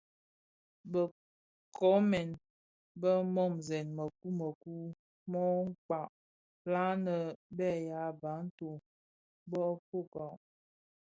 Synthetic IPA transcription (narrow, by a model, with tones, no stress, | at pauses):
bə˨ | kʰɔ˦mɛ˨n | bə˦mɔ˦˨mzɛ˨nmə˨ku˦mə˨ku˦ | mɔ˦ŋ̩˦k͡pa˨ʔ | la˦nə˨bɛ˦˨ja˨˦ba˨˦n̩˦to˨ | bɔ˦po˦˨kɔ˨ʔ